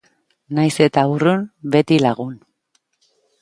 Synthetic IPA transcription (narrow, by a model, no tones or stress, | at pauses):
najse̞t̪aurunbe̞t̪ilaɣun